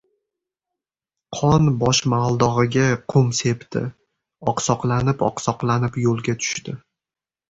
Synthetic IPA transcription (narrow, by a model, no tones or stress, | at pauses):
qʰɒnbɒʃmalˠd̪ɒʁɨɡʲaqʰʊmse̞pt̪ʰɪ̰ | ɒqsɒqlˠanɪpɒ̰qsɒqlanɪpjolˠɡʲat̪ʰʊ̥ʃt̪ɪ